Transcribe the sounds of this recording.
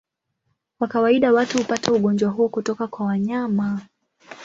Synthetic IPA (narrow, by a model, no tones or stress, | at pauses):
wakawaiɗawatuhupatauɠɔnd͡ʒwaɦuɔkutɔkakwawaɲama